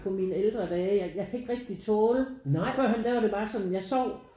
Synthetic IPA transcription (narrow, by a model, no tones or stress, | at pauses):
pʰɒ̽mineld̥ʁɐd̥ɛːjɑɪjɑ̈ɪkʰæe̝ɡ̥ʁɛɡ̥̚d̥it͡sʰɔːlənɑɪ̰fɶɐ̰ɦænd̥æʋɑ̈ɾe̝b̥ɑ̈ːsɒ̽nn̩jɑ̈ɪsɒʊ̰